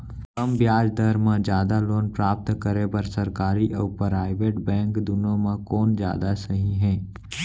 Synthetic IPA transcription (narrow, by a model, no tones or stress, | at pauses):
kɐmbjaːd͡ʒd̪əɾmãd͡ʒjaːd̪aloːnpɾaːp̚t̪kəɾebɐɾsɐɾkaːɾiʔɔːpɾaːɪʋeːʈbɛ̃ːŋkd̪ʊnõmãkɔːnd͡ʒja̰ːd̪asɐɦĩɦɛ̃ː